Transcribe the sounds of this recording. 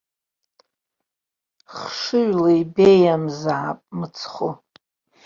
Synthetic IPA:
χʂɨɥlaibejamzaʕapʼmɨt͡sʰχo

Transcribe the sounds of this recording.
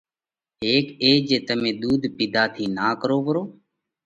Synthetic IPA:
ɦeːkeːd͡ʒeːt̪əmẽːɗ̪uːd̪ʱpid̪ʱaːt̪ʰiːnaːkəɾoːʋəɾoː

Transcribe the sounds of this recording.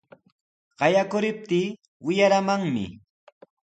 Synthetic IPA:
ɢɑjakʊɾɪp̚t̪iː | wɪjaɾamaŋmɪ̰

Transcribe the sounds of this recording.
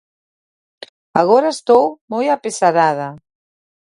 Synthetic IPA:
aɣɔɾaest̪owmojapesaɾaðɐ

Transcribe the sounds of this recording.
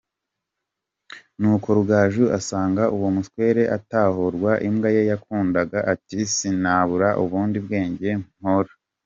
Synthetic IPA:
nuːko̞ɾuɡaːʒuasaːŋɡaʔuwomutkwe̞ːɾe̞ʔataːhoɾɡwaʔimɡajejakuːndaɡaʔatisinaβuɾaʔuβuːndibɡe̞ːɲɟe̞mhoɾa

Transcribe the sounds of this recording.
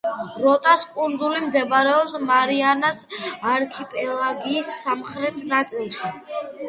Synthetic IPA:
ɾɔt̪ʼaskʼund̪zulimd̪ɛbaɾɛɔpsmaɾianasaɾkʰipʼɛlˠaɡiːsːamχɾɛt̪ʰnat̪sʼilˠʃi

